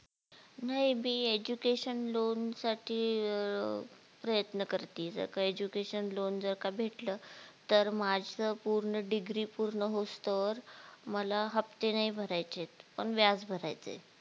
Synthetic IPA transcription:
naɦimiːed͡ʑukeɕənlonsaʈʰiː | pɾəjət̪nəkəɾt̪iːd͡zə̰ɾkaed͡ʑukeɕənlond͡zəɾkabʱeʈləːt̪əɾmad͡zt͡səpuɾɳəɖiɡɾiːpuɾɳəɦost̪əʋəɾməlaɦəpt̪enaibʱəɾajt͡set̪pəɳʋjad͡zbʱəɾa̰jt͡sḛ

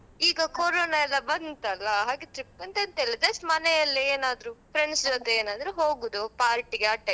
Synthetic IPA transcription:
iːɡɐkoːɾoːnaɛlːɐbɐnt̪ɐlːɐɦaːɡet̪ɾipːɐnt̪ɐnt̪eːlːɐd͡ʒɐsʈmɐnɛjɐlːieːnaːd̪ɾupɾeɳsd͡ʒɔt̪eeːnaːd̪ɐɾuɦoːɡud̪upaːɾʈiɡeɐʈːɐ

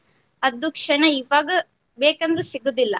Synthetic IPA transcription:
ɐd̪ukʂɐɳɐiʋaːɡɐ | beːkɐnd̪ɾusiɡud̪ilːɐ

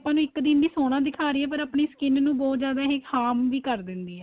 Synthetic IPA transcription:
pãːnũːɪkd̪ɪnd̪iːsoːɽ̃ãːd̪ɪkʰaːɾiːɛːpəɾaːpɳeːskɪnnũːbɔːt̪zjaːd̪aːɦɪkhaːmʋiːkəɾd̪ɪnd̪iːɛː

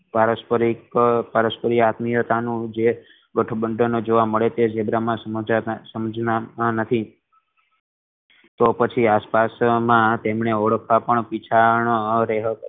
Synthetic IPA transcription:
paɾəspəɾikpaɾəspəɾiat̪mijot̪anũd͡ʒe | ɡəʈʰəbəɳɖonod͡ʒoʋaməɭet̪ed͡ʒebɾamãsəasəməd͡ʒnaãnət̪ʰi | t̪opət͡ʃʰiaspasmãt̪emɳeoɽəkʰʋapəɳpit͡ʃʰaɳɾeɦəkə

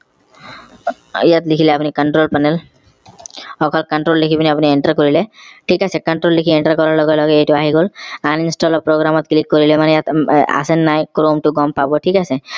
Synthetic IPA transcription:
ijat̪likʰilɛapunikɔɳʈɾolpanɛl | ɔkʰɔlkɔɳʈɾolːikʰibinɛapunieɳʈaɹkoɹilɛʈʰikasɛkɔɳʈolːikʰieɳʈaɹkɔɹaɹlɔɡɔlɔɡɛejtuaɦiɡolaninsʈɔlɔpɹoɡɾamɔt̪̚klik̚koɹilɛmanɛjat̪a̰sɛnːajkɾomʈuɡɔmpabɔʈʰikasɛ

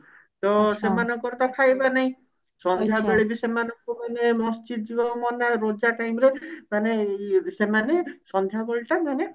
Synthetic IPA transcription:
t̪osemanɔŋkɔɾt̪ɔkʰajbanaĩ | sɔnd̪ʱjabeɭebisemanɔŋkumanemɔst͡ʃid̪̚d͡ʒibɔmɔnaɾod͡ʒaʈajmɾemanesemanesɔnd̪ʱjabeɭʈamane

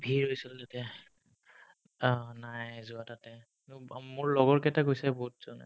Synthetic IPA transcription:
bʱiɹɦojsiltatɛ | ɔnajzʊatatɛ | mʊɹlɔɡɔɹkɛtakojsɛboɦutz̥ɔnɛ̰

